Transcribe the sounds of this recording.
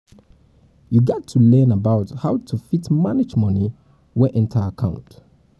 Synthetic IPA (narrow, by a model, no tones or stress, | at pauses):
juɡɔtʰːulɛ̃ːnəbaʊthaʊtʰufitmanɪd͡ʒmʌni | wɛʔɛ̃ntʰaəkʰãʊ̃nt